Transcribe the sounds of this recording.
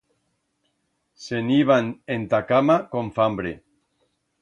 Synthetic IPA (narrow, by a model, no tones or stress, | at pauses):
seniβanent̪akamakoɱfambɾḛ